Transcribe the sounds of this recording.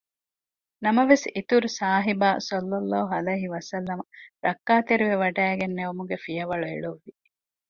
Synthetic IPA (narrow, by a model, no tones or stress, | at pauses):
nɐmɐʋesit̪uɾusaːɦibaːsɐlːɐlːaːɦuɐlɐjɦiʋɐsɐlːɐmɐɾɐkːaːt̪eɾiʋeʋɐɖæːɡenːeomuɡefijɐʋɐɭuḛɭuʋːi